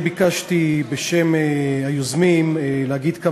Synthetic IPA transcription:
bikaʃt̪ibeʃemehajozmimeleaɡid̪ka

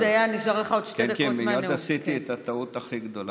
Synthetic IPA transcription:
eajaniʃaʁleχaod̪ʃtɛnd̪kemijmanedasit̪iet̪at̪aut̪aχiɡd̪o̞la

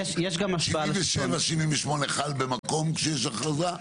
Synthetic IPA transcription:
jʃjeʃɡamaʃailmveʃevaʃininveʃmo̞neχalbemako̞mkʃejeʃ̬aχaza

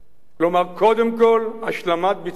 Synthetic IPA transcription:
klomaʁko̞d̪emkolaʃlamat̪̚bi

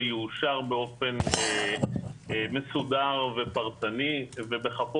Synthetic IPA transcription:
juʃaʁbeo̞fe̞ne | mesudaʁve̞paʁt͡sanivebeχapo

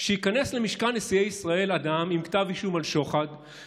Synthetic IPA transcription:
ʃeikane̞sle̞miʃkanːesiejisʁae̞lad̪amimkt̪aviʃumalʃo̞χad̪

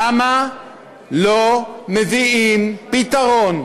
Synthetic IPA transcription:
ama | lomeviimpit̪aʁon

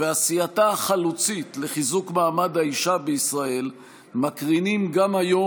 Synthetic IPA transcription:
veasiataχalut͡sitle̞χizukmaːmad̪haiʃabeisʁae̞l | makʁinimɡamajo

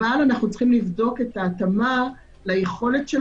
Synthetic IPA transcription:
alanaχnut͡sχimlivdo̞ke̞taːtama | lajeχo̞le̞tʃe

